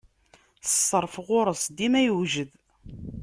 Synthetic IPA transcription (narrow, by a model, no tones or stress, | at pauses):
θə̥sˤːəɾˤfʁʊɾˤəsˤd̪imæjəʒəð